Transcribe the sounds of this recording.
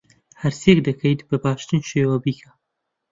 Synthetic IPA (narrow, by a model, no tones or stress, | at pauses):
hɐɾsekd̪ɐkʰɐjt̪bɐbaːʃt̪ɨnʃeːwɐbiːkʰɐ